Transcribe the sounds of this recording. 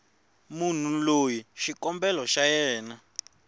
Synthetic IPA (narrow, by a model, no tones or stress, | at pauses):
mun̤ulojiʃikɔmbɛlɔʃajɛːna